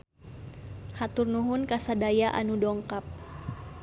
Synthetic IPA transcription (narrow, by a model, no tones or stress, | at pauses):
hat̪ʊrnuɦʊnkasadajaʔa̰nudɔŋkap̚